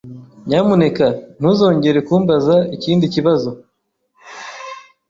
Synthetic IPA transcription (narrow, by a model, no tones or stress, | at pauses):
ɲamune̞kan̥huzo̞ːɲɟe̞ɾe̞kuːmbazaiciːndiciβazo̞